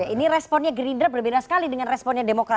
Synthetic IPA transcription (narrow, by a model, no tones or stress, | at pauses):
jaʔinirɛspɔnɲaɡɾindɾəbərbedasə̥kalidəŋanrɛspɔnɲademokɾa